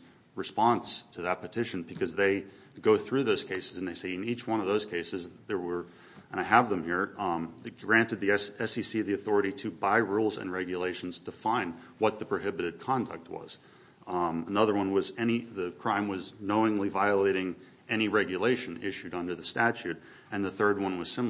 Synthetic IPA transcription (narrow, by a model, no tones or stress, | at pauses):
ɹɨspɑ̃nstʰɨðət̚pɨtʰɪʃɨ̃n̩bɨkʰʌzðeɪ | ɡoʊθɹʉðoʊz̥kʰeɪsɨz̃n̩ðeɪseɪɨ̃nit͡ʃwʌ̃ñʌvðoʊz̥kʰeɪsɨzðə˞wə˞ | ʔə̃ñaɪəvðə̃mhiɹðɡɹæ̃ntɨd̪̚ðiɛsisivðiɨθɔɹɨɾiɾɨbaɪɹulˠzɨ̰̃nɹɛɡjɨleɪʃn̩z̥tʰəfãɪ̃nd | wʌt̪̚ðɨpʰɹ̥oʊɦɪbɨɾɨd̚kʰɑ̃ndɨ̰k̚t̚wʌ̰z̥ | ənʌðə˞wʌ̃nwʌzɛñiðɨkʰɹ̥ãɪ̃mwʌznoʊɪ̃ŋlivaɪəleɪɾɪ̃ŋ | ɛñiɹɛɡjɨleɪʃɨ̃nɪʃʉɾʌ̃ndə˞ðɨstæt͡ʃʉɾ | ɨ̃nðəθɜ˞d̚wʌ̃nwʌz̥sɪ̃m